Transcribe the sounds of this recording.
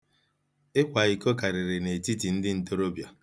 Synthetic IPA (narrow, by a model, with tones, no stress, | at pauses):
ɪ˦kʷa˨i˨ko˦ka˨ɾɪ˨ɾɪ˨ne˨ti˦ti˨n̩˦dɪ˦n̩˨to˦ɾo˦bja˨